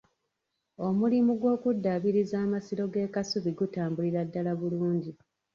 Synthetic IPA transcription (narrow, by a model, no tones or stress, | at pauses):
o̞mulimuɡwo̞ːkudːaβiɾizaːmasiɾo̞ɡe̞ːkasuβiɡutaːmbuliɾadːalaβuluːɲɟi